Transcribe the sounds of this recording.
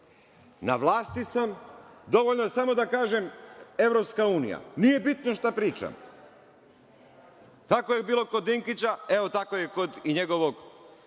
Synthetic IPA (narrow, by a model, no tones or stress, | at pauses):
na̰ʋlˠaːst̪isamd̪o̞ʋoʎnoesamo̞d̪akaːʒeme̞ʋɾopskauːnḭja̰nije̞bit̪no̞ʃt̪apɾiːt͡ʃa̰m | t̪akojebiːlˠo̞kod̪iŋkit͡ɕaeʋot̪akojeko̞d̪iɲeɡo̞ʋo̞ɡ